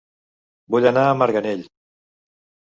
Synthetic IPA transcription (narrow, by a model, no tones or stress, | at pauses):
buʎanaːməɾɣaneʎ